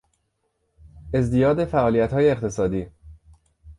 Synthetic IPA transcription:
e̞zd̪ijɒːd̪e̞fæʔɒːlijæt̪hɒːjeːqt̪ʰe̞sɒːd̪iː

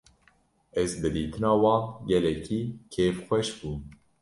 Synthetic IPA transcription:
ɛzbɨd̪iːt̪ʰɨnɑːwɑ̃ːnɡɛlɛkʰiːkʰeːfxʷɛʃbuːn

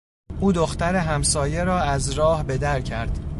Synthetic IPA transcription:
ʔuːd̪oxt̪æɾe̞ɦæmsɒːje̞ɾɒːæzɾɒːhbe̞d̪æɾcʰæɾd̪̥

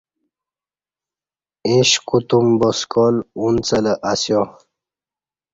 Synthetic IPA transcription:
ĩɕkut̪umbɔskɔlunt͡sələʔasjo

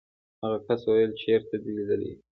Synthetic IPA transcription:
haɣakaswajəlt͡ʃeɾt̪ad̪elid̪əlḭ

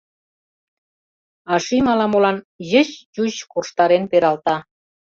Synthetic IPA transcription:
ɑʃimɑlɑmolɑn | jəɕjuɕkurʃt̪ɑɾenpeɾɑlt̪ɑ

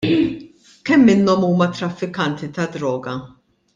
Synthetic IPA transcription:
kɛmːɪnːɔmuːmɐt̪ɾɐfːɪkɐnt̪it̪ɐd̪ɾɔːɡɐ

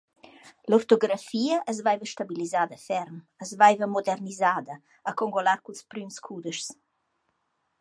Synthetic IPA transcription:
loft̪oɡɾafiːəʔəz̬vajvəʃt̪abilizaːd̪əfɛɾm | əzvajvəmod̪ɛrnizaːd̪əː | koŋɡolaɾkulspɾymskʰud̪əʃs

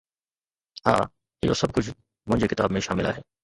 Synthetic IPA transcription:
ha̰ː | jo̰ːsɐb̚kʊt͡ʃʰ | mʊ̃ɦɪ̃ɲd͡ʒekɪt̪a̰ːbmẽʃaːmɪla̰ːɦɛː

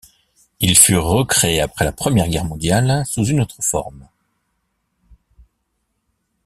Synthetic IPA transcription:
ilfyʁəkχeeapχɛlapχəmjɛʁɡʲɛʁmɔ̃d̪jalsuzynot̪χəfɔ̰ʁm

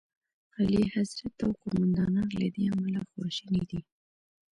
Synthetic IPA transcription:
ɣalihazɾat̪awkʊmand̪ɑnɑla̰d̪eamalaxwɑʃənid̪i

